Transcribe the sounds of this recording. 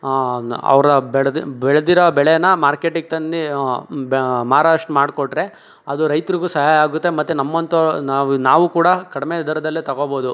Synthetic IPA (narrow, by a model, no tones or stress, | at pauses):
ɐ̰ʋɾɐbɛɭbɛɭed̪iɾɐbɛɭejɐnːɐmaːɾkeːʈik̚t̪ɐnd̪ibmaːɾaːʂʈmaːɽkoʈːɾe̞ | ɐd̪uɾɐjt̪ɾiɡusɐɦaːjaːɡut̪ːemɐt̪ːunɐmːɐnt̪ɐnaːnaːʋukuːɽɐkɐɽimed̪ɐɾɐd̪ɐlːit̪ɐɡoːboːd̪u